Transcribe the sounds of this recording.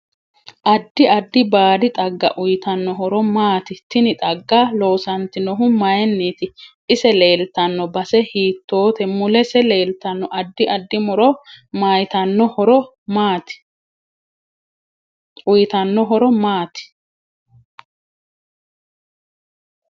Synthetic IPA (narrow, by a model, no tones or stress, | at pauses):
ʔɐd̪ːɪɐd̪ːɪbaːd̪ɪt̪ʼɐɡːɐ̰ʔʊjɪt̪ɐnːɔɦɔɾɔmaːt̪ɪt̪ːɪnɪt̪ʼɐɡːaloːsɐnt̪ɪnɔɦʊmɐjɛnːiːt̪ɪʔɪsɛleːlt̪ːɐnːɔbɐsɛhiːt̪ːo̞ːt̪ɛmʊlɛsɛle̞ːlt̪ɐnːɔʔɐd̪ːɪʔɐd̪ːɪmɔɾɔmajt̪ɐnːɔhɔɾɔ | maːt̪ɪ̥ | ʊjt̪ɐnːɔɦɔɾɔmaːt̪ɪ̥